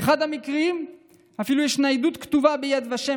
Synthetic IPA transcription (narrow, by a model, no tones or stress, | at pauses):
eχad̪hamikʁiim | afilujɛʃnaid̪ut̪kt̪uvabejad̪vaʃe